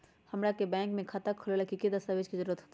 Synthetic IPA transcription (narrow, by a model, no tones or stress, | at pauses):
həmɾakebɛ̃ːŋkmẽkʰat̪əkʰəlolakikid̪əst̪aʋed͡ʒkizəɾuɾət̪ɦoːt̪i